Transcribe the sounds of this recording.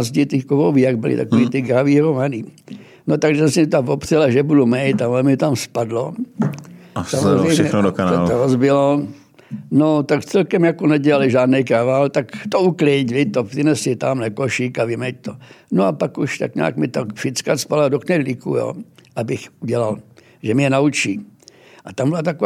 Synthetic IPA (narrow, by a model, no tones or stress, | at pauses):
zɟɪt̪ɪkovovijaɡbɪlɪ̰t̪a̰koʋiːt̪ɪɡɾaviːɾomani | not̪aɡʒɛsɛmɪt̪amvopr̥ɛlaʒɛbudumɛjt̪aɛmɪt̪amspadlo | samozɾɛjʃmɛɲɛxnodokanaolt̪oɾozbɪlo | not̪akt͡sɛlkɛmjakonɛɟɛlalɪʒaːd̪nɛjkɾavalt̪akt̪ouklɪcvɪt̪oprɪnɛsɪt̪amlɛkoʃikavɪmɛc̚t̪onoapakuʃt̪a̰kɲa̰ːkmɪt̪akfɪt͡skaspadladoknɛdlikṵjo̰ːʔabɪxuɟɛlal | ʒɛmɪɛnaut͡ʃiː | ʔat̪ambɪlat̪ako